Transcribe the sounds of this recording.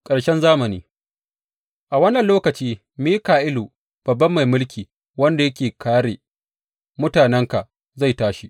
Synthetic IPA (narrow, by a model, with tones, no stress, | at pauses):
kʼɐ˨ɽʃɛ˦nzaː˦mɐ˨niː˦ | ʔa˨wɐ˦nːɐ˨nloː˦kɐ˨t͡ʃiː˦ | miː˦kaː˨ʔɪ˦luː˨ | b̥ɐ˨bːɐ˦mːa˨jmʊ˦lkʲiː˨ | wɐ˦nda˨jɐ˦kʲeː˨kʰaː˦ɽe˨ | mʊ˦taː˨nɛ˦ŋka˨ʔ | za˦˨jtaː˦ʃi˦ʔ